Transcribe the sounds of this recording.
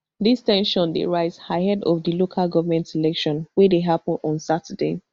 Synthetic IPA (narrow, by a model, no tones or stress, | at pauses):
distɛ̃nʃɔ̃ndḛɹaɪzhaɦɛdɔ̰fdəlokʰalˠɡɔvəmɛ̃ntilɛkʃɔ̃nwɛdeɦapɔ̃nɔ̃nsatʰəde